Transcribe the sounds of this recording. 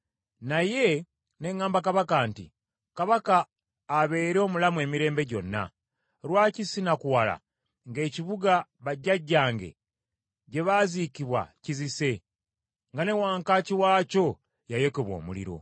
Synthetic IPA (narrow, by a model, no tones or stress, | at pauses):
naje̞ | ne̞ŋːaːmbakaβakaːntḭ | kaβakaː | βe̞ːɾo̞ːmulamwe̞ːmiɾe̞ːmbe̞ɟo̞̰nːa̰ | ɾwaːcisinakuwala̰ | ŋɡe̞ːciβuɡaβaɟːaɟːaːŋɡe̞̰ | ɟe̞βazikiβwa̰cizise̞ | ŋɡane̞waːŋkaciwaːco̞ | jajekoβwo̞̰ːmṵlḭɾo̞̰